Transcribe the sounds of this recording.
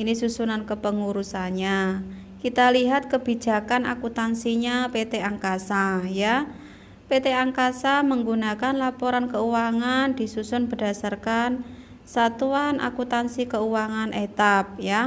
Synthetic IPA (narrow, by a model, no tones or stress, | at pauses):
ʔinisusunankəpəŋuɾusaɲa | kit̪aliɦat̪̚kəb̥i̤̥d͡ʒ̥a̤kana̰kut̪ansiɲapet̪eaŋkasaja | pet̪eaŋkasaməŋɡunakanlapɔɾankəuwaŋand̪̥i̤susʊnbə̤d̥a̤sarkan | sat̪uanʔa̰kut̪ansikəuwaŋanʔet̪ap̚ja